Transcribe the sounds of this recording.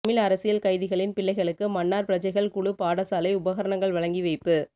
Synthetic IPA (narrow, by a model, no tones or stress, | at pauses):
mɪlɐɾɐsɪjɐlkɐɪðɪɣɐɭɪnpɪɭːɐɪɣɐɭɯkːɯmɐnːaːɾpɪɾɐt͡ʃɐɪɣɐɭkʊɽɯpaːɽɐsaːlɐɪʊbɐɣɐɾɐɳɐŋɡɐɭʋɐɭɐŋɡiʋɐɪpːɯ